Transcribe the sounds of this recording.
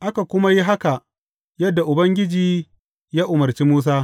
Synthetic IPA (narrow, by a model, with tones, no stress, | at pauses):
ʔa˦ka˨kʷʊ˦ma˦ji˦ɦa˦ka˨ʔ | jɐ˦dːa˨ʔʊ˨bɐ˦ŋɡʲɪ˦d͡ʒiː˨˦ | jaː˦ʔʊ˨mɐ˨rt͡ʃiː˦muː˦s̬aː˦